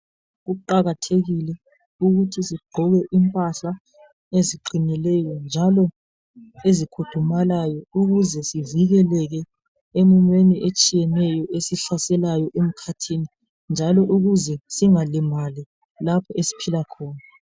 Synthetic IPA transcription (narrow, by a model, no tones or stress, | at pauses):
ɣuǃaɣatʰeɣilɛ | uɣutʰisiɡ͡ǃʱɔβɛʔimpʼaɬa | eziǃinilɛjɔnd͡ʒʱalɔ | ezikʰutʰumalajɔuɣuzɛsiviɣɛlɛɣɛ | emiɲweniʔet͡ʃʼijɛnɛjɔʔesiɬasɛlajɔʔem̩kʰatʰini | nd͡ʒʱalɔʔuɣuzɛsiŋalɛmali | lapʰɔesi̥pʰilakʰɔːna